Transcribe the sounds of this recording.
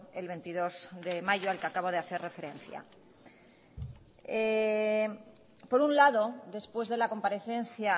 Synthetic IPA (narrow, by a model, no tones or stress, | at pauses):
e̞lβ̞e̞nt̪iðo̞zðe̞maʝoalkeakaβo̞ðeaθe̞rre̞fe̞ɾẽ̞nθja̰ | e | po̞ɾunlaðo̞ðe̞spwe̞zðe̞lako̞mpaɾe̞θe̞nθja